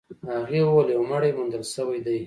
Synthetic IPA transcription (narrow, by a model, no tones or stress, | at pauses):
aɣewwaljawmaɽemʊnd̪əlsəwajd̪aj